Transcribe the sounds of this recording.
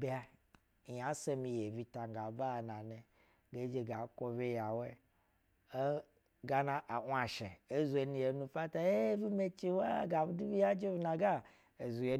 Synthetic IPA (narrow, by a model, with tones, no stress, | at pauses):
ba˦˨ | ja˨˦se˦mi˧je˨vi˧ta˨ŋ˨ɡa˨ba˦˨na˨ne˨ | ɡe˨˦d͡ʒe˨ɡa˨ko˧ve˦ja˨we˦ | ɡa˦na˨ʔa˨ʔʷa˨ʃe˨e˦zu˨e˨nu˨je˨˦nu˧fa˦ta˨˦e˦vi˦me˦t͡ʃi˦wa˦ɡa˨bi˦du˦bi˦ja˦d͡ʒe˦vi˨˦na˨ɡa˦ | e˨zu˨je˨